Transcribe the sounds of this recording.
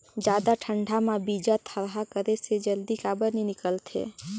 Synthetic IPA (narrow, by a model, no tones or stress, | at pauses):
d͡ʒaːd̪aʈʰəɳɖʱamãbid͡ʒat̪ʰəɾɦakəɾesed͡ʒəld̪ikaːbəɾninɪkəlt̪ʰḛ